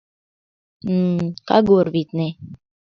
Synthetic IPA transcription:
ka̰ɡoɾvit̪nɛ

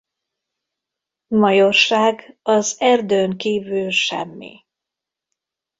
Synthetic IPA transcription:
mɒjorʃaːɡɒzɛrd̪øːŋkiːvylʃɛ̰mːḭ

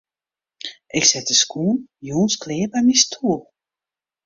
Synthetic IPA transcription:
ʔɪksɛtəskʰuːnjuːnskʰlɪːbɛjmistʰuəlˠ

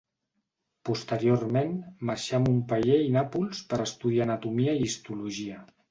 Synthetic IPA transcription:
pust̪əɾioɾmenmaɾʃamumpaʎeinapulˠspəɾəst̪uðianət̪umiəiist̪uluʒiə

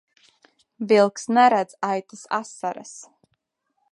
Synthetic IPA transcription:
vilˠksnɛɾad̪z̥ajt̪ʰasa̰saɾa̰s

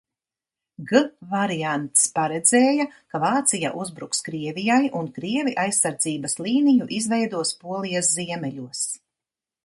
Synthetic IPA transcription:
ɡɨvaɾijant̪spaɾɛd̪zɛːjakavaːt̪sija̰ʔuzbɾukskɾiɛvijajʔunkɾiɛviʔajsːaɾd̪ziːbɐslˠiːnijuʔizvɛjd̪uɔspuɔlˠijasziɛmɛʎuɔs

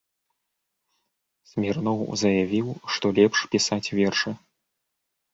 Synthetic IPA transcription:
sʲmʲɛrnɔwzɐjavʲiwʂt̪ɔlʲɛpʂpʲisat͡sʲvʲɛrʂɨ

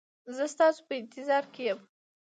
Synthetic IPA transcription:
zəst̪ɑso̥pəɪnt̪ɪzɑɾkejəm

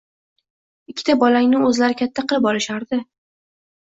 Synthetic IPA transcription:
ɪkʲʰːɪ̥t̪ʰabɒlaŋnɪɵzlaɾɪkʲʰat̪ʰːaqɨlˠɪpɒlɪʃaɾd̪ɪ

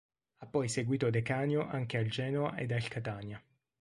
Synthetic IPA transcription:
apːɔjseɡwiːt̪od̪ekaːnjoʔaŋkeald͡ʒɛːnoaʔḛd̪alkat̪aːnja

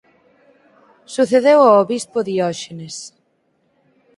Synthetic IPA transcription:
suθeðewaoβispoðiɔʃenes

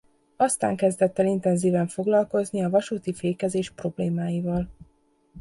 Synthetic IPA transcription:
ɒst̪a̰ːŋkɛzd̪ɛt̪ːɛlint̪ɛnziːvɛɱfo̞ɡlɒlko̞zniɒvɒʃuːt̪ifeːkɛzeːʃpro̞bleːmaːjivɒl

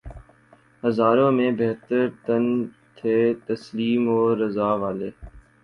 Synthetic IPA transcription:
ɦəzaːɾõːmẽːbeɦt̪əɾt̪ən | t̪ʰeːt̪əsliːmoːɾəzaːʋaːleː

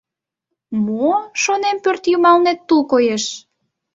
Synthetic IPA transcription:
moʃonempørt̪jumɑlnet̪ːulkojeʃ

